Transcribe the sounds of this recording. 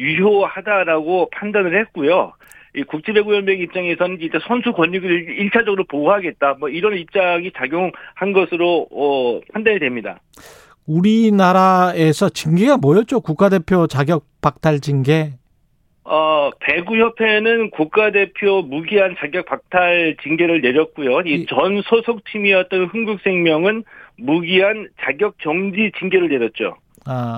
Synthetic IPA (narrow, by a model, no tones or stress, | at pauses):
ɥijohadaɾaɡopʰandanɯɭhe̞t̚k͈ujo | ikuk̚t͡ɕ͈ʰebe̞ɡujʌnbjʌɡip̚t͡ɕ͈aŋe̞sʰʌnɯniɭt͈esʰʌnsʰukwʌɲːuɡɯiɭt͡ɕʰad͡ʑʌɡɯɾopoɡɦaɡe̞t̚t͈amwʌiɾʌnip̚t͡ɕ͈aŋit͡ɕaɡjoŋhanɡʌsʰɯɾoʌpʰandanidwe̞mɲida̰ | uɾinaɾae̞sʰʌt͡ɕiŋɡiɡamwʌjʌt̚t͡ɕ͈okuk̚k͈ade̞pʰjot͡ɕaɡjʌk̚p͈ak̚tʰaɭd͡ʑinɡe̞ | ʌpe̞ɡuçjʌpʰe̞nɯnkuk̚k͈ade̞pʰjomuɡiɦant͡ɕaɡjʌk̚p͈ak̚tʰaɭt͡ɕiŋɡe̞ɾɯɭne̞ɾjʌt̚k͈ujoit͡ɕʌnsʰosʰok̚t͡ɕʰimijʌt̚t͈ʌnɸɯŋɡuk̚s͈ʰe̞ŋmjʌŋɯnmuɡiɦant͡ɕaɡjʌk̚t͡ɕ͈ʌŋd͡ʑit͡ɕiŋɡe̞ɾɯɭne̞ɾjʌt̚t͡ɕ͈o̰ | a